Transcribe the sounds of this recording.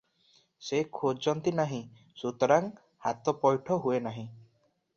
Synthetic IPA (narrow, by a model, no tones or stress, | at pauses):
sekʰod͡ʒɔnt̪inaɦĩ | sut̪ɔɾaŋ | ha̰t̪ɔpɔjʈʰɔɦuenaɦĩ